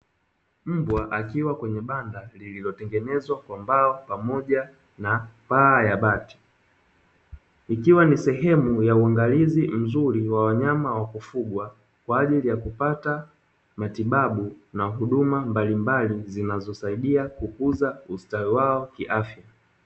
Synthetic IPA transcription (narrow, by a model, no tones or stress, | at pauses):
m̩bwaʔakiwakwɛɲɛɓandalililɔtɛŋɡɛnɛzwakwambaɔpamɔʄa | napaːjaɓati̥ | ikiwanisɛɦɛmujauaŋɡalizim̩zuɾiwawaɲamawakufuɡwa | kwaːʄilijakupata | matiɓaɓunaɦuɗumambalimbalizinazɔsaiɗiakukuzaustawiwaɔkiʔafja